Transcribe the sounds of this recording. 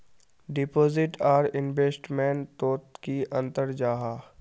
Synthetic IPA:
ɖɪpoːzɪʈaːɾɪnbeːsʈmɛ̃ːnt̪oːt̪kiʔə̃nt̪əɾd͡ʒaːɦaː

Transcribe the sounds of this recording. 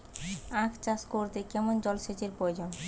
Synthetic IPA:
ãkʰt͡ɕaskoɾt̪ekɛmond͡ʑɔlʃet͡ɕeɾpɾojod͡ʑon

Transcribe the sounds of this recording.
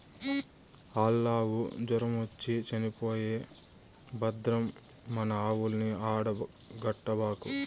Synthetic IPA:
aːlːaːwṵd͡ʒɔɾɐmot͡ʃːit͡ʃɐnipoːjeː | bɐd̪ɾɐmː | ɐnɐaːwulɐniaːɽɐ | ɡɐʈːɐbaːku

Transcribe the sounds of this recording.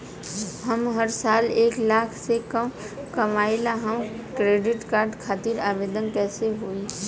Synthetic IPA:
ɦɐmɦəɾsaːleːklaːkʰsekəm | kɐmaːɪlaɦəmkɾeːɖɪʈkaːɾɖkʰaːt̪iɾaːʋeːd̪ənkɛːseɦoːi

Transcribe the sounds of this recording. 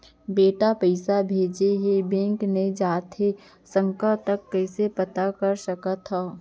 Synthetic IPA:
beːʈapəɪsabʱeːd͡ʒeɦebɛ̃ːŋkned͡ʒaːt̪ʰe | sə̃ŋkət̪ɐkːɛːsepɐt̪akɐɾʃɐkat̪ʰaː

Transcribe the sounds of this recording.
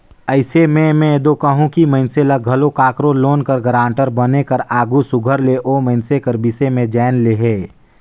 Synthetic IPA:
əɪsemɛ̃mɛ̃ed̪okəɦũkiməɪnselɐɡʱɐlokaːkɾoloːnkəɾɡəɾãːɳʈəɾbənekɐɾaːɡusʊɡʱəɾleʔoːməɪnsekəɾbɪsemẽd͡ʒɛːnleɦeː

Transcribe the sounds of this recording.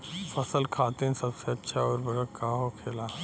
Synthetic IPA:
fəsəlkʰat̪ensəbseɐtːɕʰaɔɾbəɡakaɦokʰela

